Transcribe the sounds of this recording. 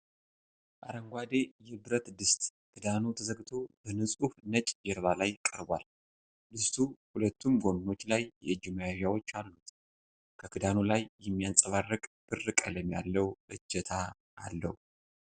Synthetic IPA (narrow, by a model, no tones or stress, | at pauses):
ʔaɾəŋɡʷad̪e̞jɛbɨɾət̪d̪ɨst̪ʼkʰɨd̪anut̪ʰəzəɡt̪ʰo̞bənɨsʼufnət͡ʃʼd͡ʒɛɾβalajkʼəɾbʷal | d̪ɨst̪ʰuhulət̪ːumɡomno̞t͡ʃːlajːɛ̰ɨd͡ʒɪmajaʒawo̞t͡ʃːalːut̪ | kʰəkʰɨd̪anulajːɛmːijansʼəβarːɨkʼb̥ɨrɨkʼələmja̰lːəwʔɨd͡ʒːɛt̪ʰa | ʔːlːə̰hu